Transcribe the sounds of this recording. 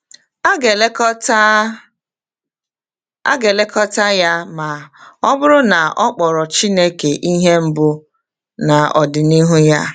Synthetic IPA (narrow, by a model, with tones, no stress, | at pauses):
ɡe˨lkt | a̰˦ɡe˨le˦kɔ˦ta˦ja˦ma˨ɔ˦bʊ˦ɾʊ˦na˨ɔ˦k͡pɔ˨ɾɔ˨t͡ʃi˦ne˦ke˨ʔi˦ɦe˦m̩˦bʊ˦ | na˨ɔ˨dɪ˨ni˦ɦu˦ja˦